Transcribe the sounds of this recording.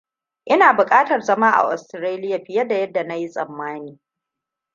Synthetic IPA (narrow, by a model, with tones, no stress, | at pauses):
ʔɪ˦naː˨bʊ˨kʼaː˦tɐ˨rzɐ˦maː˦ʔa̰˨ʔɔ˨stɾaː˦lɪ˦ja˨ɸɪ˦jɐ˦da˨jɐ˦dːa˨na˦ji˦sʼɐ˨mːaː˦niː˨